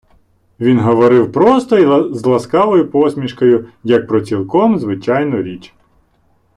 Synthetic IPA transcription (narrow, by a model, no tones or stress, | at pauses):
ʋʲinɦɔʋɔɾɪwpɾɔst̪ɔizlˠɐskɑʋɔjʊpɔsmʲiʃkɔjʊjɐk̚pɾɔt͡sʲilˠkɔmzʋɪt͡ʃɑjnʊɾʲit͡ʃ